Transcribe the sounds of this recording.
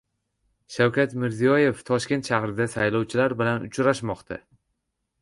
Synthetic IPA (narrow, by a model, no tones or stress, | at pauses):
ʃawkʲat̪mɪɾzijɒje̞ft̪ʰɒʃkʲe̞nt̪ʃahɾɪd̪asajlˠɒwt͡ʃʰɪlaɾbɪlanʊ̰t͡ʃʰɾaʃmɒqt̪ʰa̰